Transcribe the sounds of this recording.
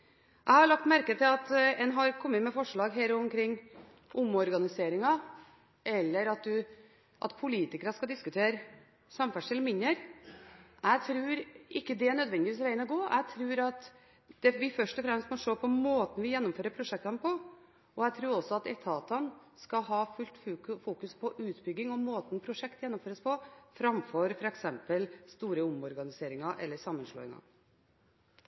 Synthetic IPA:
ʔæɪhɑjʊlɑkt̪mæɾkət̪ʰɪlɑt̪ɛnɦɑɾkʰɔmːət̪mɛfɔʂɭɑːɡɦæːɾʊɔmkʰɾɪŋː | ʔʊmɔɾɡɑnɪseːɾɪŋɑ | ʔɛlːəɾɑt̪̚d̪ʉ | ʔɑ̰t̪pʰʊliːt̪ɪkəɾəskɑd̪ɪskʉt̪ʰeːɾə | sɑmfæʂɛlmɪnːəɾ | ʔæɪt̪ʰɾʉːɾʔɪkːəd̪ɛæɳœd̪ʋɛnd̪ɪʋiːsʋæɪənəɡoːʔæ̰t̪ʰɾʉːɾɑt̪ | d̪̥ɛʋɪfœʂʈɔfɾɛmst̪mɔʂoːpʰɔmoːt̪n̩ʋɪjɛnːʊmføːɾəpʰɾʊʂɛkt̪ɑnəpʰɔ | ɔæt̪ʰɾuːɾɔsɔɑt̪ɛt̪ʰɑːt̪ɑnskɑɦɑːfʉlt̪fuːkʉspʰɔʔʉːt̪bʏɡːɪŋɔmoːt̪n̩pʰɾʊʂɛkt̪jɛnːʊmføːɾəspʰɔfɾɑmfɔɾfɔɾɑɛksɛmpəlst̪uːɾəʊmɔɾɡɑnɪseːɾɪŋɑʔɛ̰lːəʂɑmːənʂlo̰ːɪ̰ŋɑ̰

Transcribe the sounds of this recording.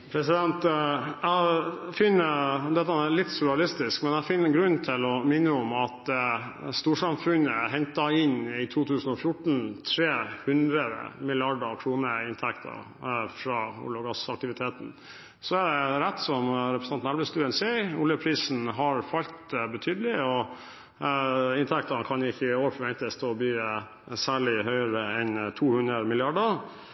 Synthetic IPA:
pʰɾɛsɪd̪ɛnt̪æfʏnːəd̪ɛt̪ːəælɪt̪ːsʊɾɑlɪst̪ɪskmɛnæfɪnːəɡɾʉnːt̪ʰɪlɔmɪnːəɔmɑt̪ | st̪uːʂɑmfʉnəɦɛɲt̪ɑɪnɪt̪ʰuːt̪ʰʉːsn̩ɔfjʊʈɳ̩t̪ʰɾeːhʉnd̪ɾəd̪ə̰mɪlɪɑɖəɾkʰɾuːnəɪnt̪ʰɛkt̪ʰə̰ | fɾɑʊ̰lɔɡɑsɑk̚t̪ɪʋɪt̪ʰeːt̪n̩ | sɔæɖɛɾæt̪ːsɔmɾɛpɾəsɑnnæɾʋəst̪ʉːənseʊljəpʰɾiːsn̩ɦɑɾfɑlt̪bət̪ʰyːd̪əlɪɔ | ɪnt̪ʰæk̚t̪ənkʰɑnɪçːəoːɾəfʰɔʋɛnt̪əst̪oːbyːə | sæːɭɪhœʏəɾəɛnt̪ʰuːhʉnɾəmɪlɪɑɖəɾ

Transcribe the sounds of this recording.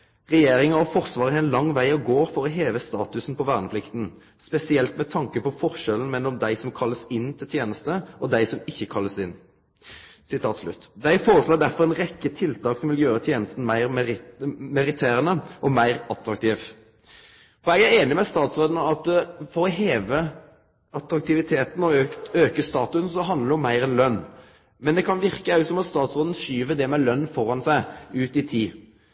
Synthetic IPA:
ʁɛjeːɾɪŋəɔfɔʁsʋɑːʁəɛnlɑŋːʋæɪɔɡoːɾfɔɾɔɦeːʋəst̪ɑːt̪ʉsn̩pʰɔʋæːʁnəpʰlɪkt̪n̩ | spɛsɪɛlt̪mɛt̪ʰɑŋkəpɔfɔʁʃɛlən̩mɛlːɔmd̪æɪsɔmkʰɑlːəsɪnːt̪ʰɪlt̪ʰjeːnəst̪əʔɔd̪æɪsɔmɪçːəkʰɑlːəsɪnː | sɪt̪ʰɑːt̪slʉ̰t̪ːd̪æɪfoːɾəsloːdɖæfɔʁɛnʁɛkːət̪ʰɪlt̪ʰɑːksɔmʋɪljøːɾət̪ʰjeːnəst̪n̩mæɪʁm | mɛɾɪt̪ʰeːɾənəʔɔmæɪʁɑt̪ɾɑk̚t̪ʰiːʋ | fɔɾɛɡæɾeːnɪmɛst̪ɑːt̪sʁoːd̪nəɑt̪fɔɾɔɦeːʋə | ɑt̪ɾɑk̚t̪ʰɪʋɪt̪ʰeːt̪n̩ɔøøːkəst̪ɑːt̪ʉsn̩sɔɦɑnd̪ləɾɔmːæɪɾɛnlœnː | mɛnd̪ɛkʰɑnʋɪʁkəɑʉt̪sɔmɑt̪st̪ɑːt̪sʁoːd̪ən̩ʃyːʋəd̪ɛmɛlœnːfɔɾɑnsæɪʉːt̪ɪt̪ʰiː

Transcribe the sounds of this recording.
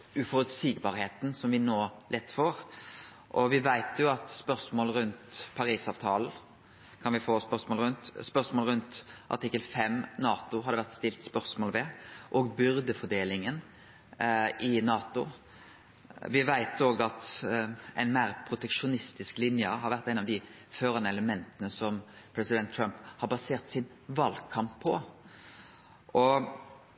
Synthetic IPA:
ʉfɔɾʉt̪siːɡbɑɾheːt̪nsɔmʋɪnoːlʔɛt̪ːfɔɾ | ʔɔʋɪʋæɪt̪ʰjʊɑt̪spœɾsmoːlɾʉnt̪pʰɑɾiːsɑːʋt̪ʰɑːln̩ | kʰɑnʋɪfoːspœsmoːlɾʉnt̪spœʁsmoːlɾʉnt̪ʔɑ̰ʈ̪ɪkːəlfɛmːnɑːt̪ʊɦɑd̪əʋæʁt̪st̪ɪlt̪spœʁsmoːlʋɛʔɔːɡbʏɾd̪əfɔɖ̪eːlɪŋən | ʔɪnɑːt̪ʊ | ʋɪʋæɪt̪oːɡɑt̪ʔæɪnmæːɾpʰɾʊt̪ɛkʂʊnɪst̪ɪsklɪnjəɦɑɾʋæʁt̪ːæɪnɑʋd̪ɪ | føːɾɑnəɛləmɛnt̪ənəsɔmpʰɾɛsɪd̪ɛnt̪ʰːɾɑmphɑɾbɑseːʁt̪sɪn | ʋɑlkʰɑmpʰːɔ | ʔɔ

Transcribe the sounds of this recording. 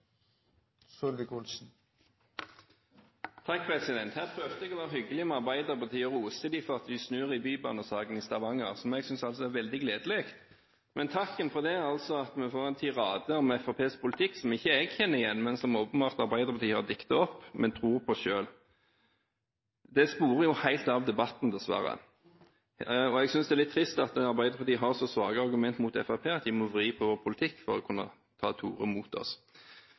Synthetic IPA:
sɔlʋəkʊlsn̩ | t̪ʰɑk̚ːpʰʁɛsɪd̪ɛnt̪hæːʁpʰʁøːʋd̪əɛɡɔʋɛːʁəɦʏɡəlɪɔmɑʁbæɪd̪əʁpɑt̪ʰiːɔʁuːsəd̪iːfɔʁɑt̪ʋɪsnʉːʁɪbyːbɑnəsɑːɡənist̪ɑʋɑŋəʁsɔmɛɡsʏnsɑlsɔæʁʋɛld̪ɪɡleːd̪əleːɡt̪ | mʔɛnt̪ʰɑkːənfɔʁd̪ɛæʁɑlsɔɑt̪mɛfoːʁɛnt̪ʰyːʁɑːd̪əɔmɛfɑpʰeːspʰʊlɪt̪ʰɪkːsɔmɪçːəɛɡçɛnːəɪjɛnːmɛnsɔmoːpənbɑːʁt̪ɑɾbæɪd̪əɾpʰɑt̪iːhɑʁd̪ɪkːt̪ɑɔpːmʔɛnt̪ʰɾuːɾpʰɔʃøːl | d̪ɛspuːɾəjʊhæɪlt̪ɑʋd̪ɛbɑt̪n̩d̪ɛsʋæ̰ɾə̰ | ɔɛɡsʏnsd̪ɛlɪt̪ʰːɾɪst̪ɑt̪ɑɾbæɪd̪əʁpɑt̪iːɦɑʁsɔsʋɑːɡəɑɾɡʉmɛnt̪mut̪ɛ̰fɑpʰeːɑt̪ʋɪmɔʋʁiːpʰɔʋoːpʰʊlt̪ʰɪkːfɔɾɔkʰʉnːə̰ | t̪ʰɑ̰ːt̪ʰuːɾə̰muːt̪ɔ̰s

